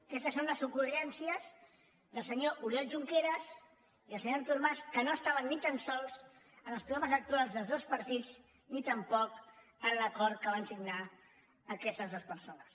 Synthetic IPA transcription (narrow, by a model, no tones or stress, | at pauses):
kɛst̪əsːonləsukuʒɛnsiəz | ðəlˠsəɲoʔuɾiɛlʒuŋkeɾəz | iəlˠsəɲoɾt̪uɾmaskənoəst̪aβənːit̪ansɔlˠz | ənəspɾuɔβəzək̚t̪ualˠzðəlˠzðospəɾt̪id͡z | nit̪əmpɔkənləkɔɾt̪̚kəβansiɡna | əkɛst̪əzðospəɾsonəs